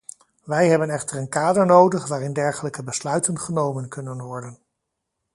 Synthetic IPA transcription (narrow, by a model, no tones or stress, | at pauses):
ʋɛjɦɛbənɛχtəɹənkaːdəɹnowdəχʋaːɾɪndɛɹχələkəbəslœɥtənχənowmənkɵnənʋɔɹdən